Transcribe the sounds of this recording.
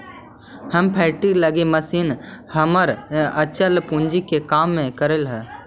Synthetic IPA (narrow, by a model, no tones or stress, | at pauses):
həmpʰɛːʈiləɡeməsiːnhəməɾət͡ʃəlpũɲd͡ʒikekaːmːẽkəɾelɦɛː